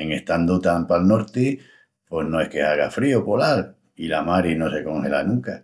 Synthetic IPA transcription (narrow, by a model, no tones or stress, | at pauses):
eŋe̞ht̪and̪ut̪ampalno̞ɾt̪i | pwe̞snoe̞hkeaɣ̞afɾiopolal | ilamaɾino̞se̞ko̞ŋhelanũŋka